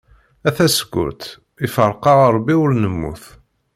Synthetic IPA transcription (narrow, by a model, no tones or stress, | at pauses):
æθæsəɡʷːʊ̰ɾt̪ | ifəɾˤqɑʁəɾˤbːiʊɾnəmːṵθ